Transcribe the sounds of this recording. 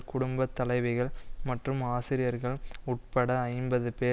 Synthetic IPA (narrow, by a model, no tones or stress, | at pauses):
kʊɽʊmbɐt̪ːɐlɐɪʋɪɣɐɭmɐʈrɯmaːsɪɾɪjɐɾɣɐɭʊʈ̚pɐɽɐɐɪmbɐðɯpeː